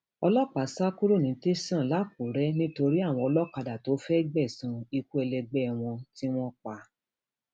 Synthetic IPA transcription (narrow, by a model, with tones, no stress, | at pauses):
ɔ˧lɔ˦k͡pa˨˦sa˦ku˦ɾo˦˨nĩ˨˦te˦sã˦˨la˨˦p̚u˨ɾɛ˦nĩ˦to˧ɾi˦a˦˨w̃ɔ̃˧ɔ˧lɔ˦ka˧da˨to˨˦fɛ˦ɡ͡bɛ˦˨sũ˨˧i˧ku˦ɛ˧lɛ˧ɡ͡bɛ˦w̃ɔ̃˧ti˦w̃ɔ̃˦k͡pa˧